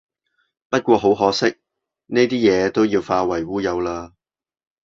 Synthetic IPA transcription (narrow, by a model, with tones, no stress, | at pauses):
pɐ˥t̚kʷɔː˧ɦo˨˥wɦɔː˨˥sɪ˥k̚ | neː˥t̪iː˥jɛː˨˧t̪o˥wjiː˧wfaː˧wɐ˨˩jwuː˥jɐ˨˧wlaː˧